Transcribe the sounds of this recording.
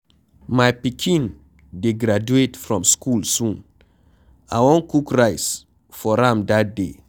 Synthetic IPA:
majpikʰĩn | deɡɾad͡ʒuetfɹɔ̃mskʰulsũn | a̰wɔ̃nkukɹaɪs | fɔɾãmdat̚de

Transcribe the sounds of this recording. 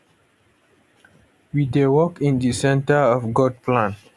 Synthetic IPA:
widewɔkĩndisɛ̃ntəɔfɡɔd̚pʰlãn

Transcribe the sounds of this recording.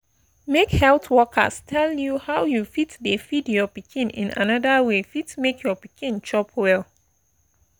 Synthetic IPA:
mekhɛltwɔkʰə̰stʰɛljuhawjufitdəfidjɔpikʰĩnḭ̃nʔa̰nadəwefitmekʰjɔpikĩnt͡ʃɔpʰwɛl

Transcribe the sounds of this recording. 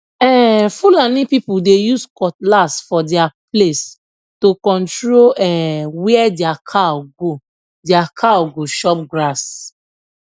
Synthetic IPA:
ɛfulanĩpipudejuskɔtlasfɔdɛaples | tokɔ̃ntɹoɛwɛɛdɛakʰaɡo | diakʰaɡoʃɔp̚ɡɹas

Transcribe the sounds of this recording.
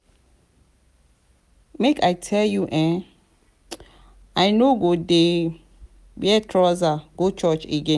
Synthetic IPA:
mekʰajtʰɛljuʔɛ̃n | ajnoɡode | bɛtʰɹɔzaɡ̥ot͡ʃɔt͡ʃeɡɛ̃

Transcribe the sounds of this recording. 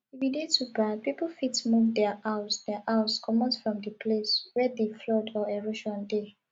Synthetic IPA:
ividitubapiplfitmuvdɛaʔaʊsdɛʔaʊskʰɔmɔ̃sfɹɔ̃mdəpʰleswɛdeflɔdɔeɹoʃɔ̃nde

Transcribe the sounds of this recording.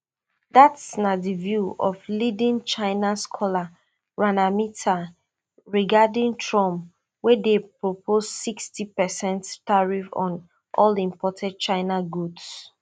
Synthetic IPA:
datsnadivjuɔflidĩnt͡ʃaɪnaskʰɔla | ɹanamitʰa | ɹiɡadĩŋtʰɹɔ̃m | wɛdepɹopʰozsikstipɛsɛ̃nttaɹifɔ̰̃n | ʔɔlĩmpɔtʰɛd̚t͡ʃaɪnaɡuds

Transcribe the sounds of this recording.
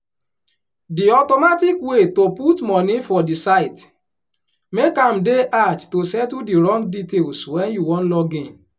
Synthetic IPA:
diɔtɔmatikwetoputmɔ̃nifɔdisaɪt | mekãm̩deʔad͡ʒtosɛtudiɹɔ̃ŋɡditelswɛ̃njuwɔ̃nlɔɡẽn

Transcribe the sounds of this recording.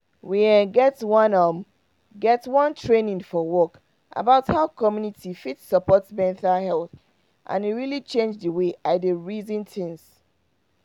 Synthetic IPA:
wiɛ̃nɡɛtwʌ̃nʌm | ɡɛtwʌ̃ntʰɹẽnĩŋfɔwɔk | ʔa̰baʊthaʊkʰɔmjunitʰifitsəpɔtsmɛ̃ntalhɛlˠθ | ʔã̰niɹilit͡ʃẽnd͡ʒðəweʔadəɹizĩntɪ̃ŋs

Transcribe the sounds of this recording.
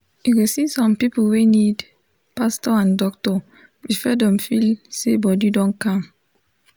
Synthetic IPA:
juɡosĩsɔ̃mpipəlwenid | pastɔãndɔk̚tɔ | ɹifɛdɛ̃mfilsebɔdidɔ̃nkãm

